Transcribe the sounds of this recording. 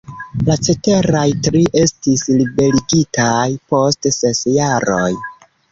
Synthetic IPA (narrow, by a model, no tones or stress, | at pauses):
lat͡ʃe̞te̞ɾajtɾiʔe̞stislibe̞liɡitajpo̞stsesjaɾo̰j